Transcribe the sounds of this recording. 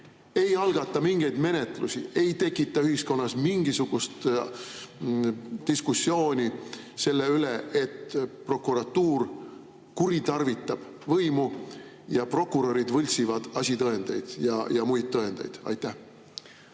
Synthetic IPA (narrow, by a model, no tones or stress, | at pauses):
e̞jɑlɡ̥ɑt̪ːˑɑmiŋɡ̥e̞jd̪̥me̞ne̞t̪ˑlusʲḭe̞jt̪e̞kːˑit̪ːˑɑyɦisko̞nːɑsmiŋɡisuɡ̥ust̪ | d̪̥iskusːjo̞ːnʲi | se̞lːe̞yle̞ʔet̪pro̞kuɾɑt̪ːuːr | kuɾit̪ɑrvit̪ːˑɑb̥ | vɤjmu | jɑpro̞kːˑuɾo̞ɾid̪vɤlʲsivɑd̪̥ɑsʲit̪ɤe̞nd̪̥ejd̪̥jɑ̰jɑmujt̪t̪ːɤe̞nd̪̥ɑ̰jd̪̥ɑ̰jt̪ːˑæh